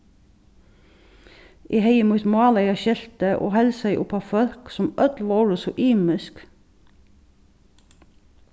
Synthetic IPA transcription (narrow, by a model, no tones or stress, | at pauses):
ʔiːheɪɪmuːt̪mɑːlæɪɑʃɛlt̪əʔo̰ːhɛlsæɪʔʊpɑfœlksɔmʔœd̪lʋoːɹəsɔʔiːmɪsk